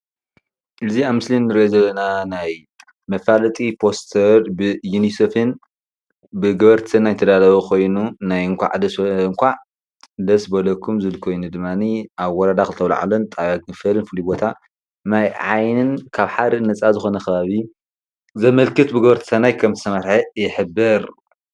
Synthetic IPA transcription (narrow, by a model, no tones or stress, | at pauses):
ʔɨziaβmɨslinːɨɾiʔozɐlːɐnanaj | mɐfalɐt̪ʼipʰo̞st̪ʰɐɾbɨjunisefɨn | bɨɡɐβɐɾt̪ʰɨnːajt̪ʰɐd̪alɐβɐkʰo̞jnunajɨŋkʷʰa̰ʕd̪ɐsɨŋkʷʰaʕ | d̪ɐsbɐlɐkʰːumzɨlkʰo̞jnud̪ɨmːaniʔaβwɔɾad̪axɨlt̪ʰɐwla̰ʕa̰lunt̪ʼawaɡɨfɐlɨnfɨlibo̞t̪ʰa | najʕajnɨnkʰaβħaɾɨnɐt͡sʼazɨxo̞nɐxɐβaβi | zɐmɐlkʰɨt̪bɨɡɐβɐɾt̪ʰɨ̥sʰɐnajkʰɐmzɨsʰɐmɐɾħɐjɪħɨbːɨɾ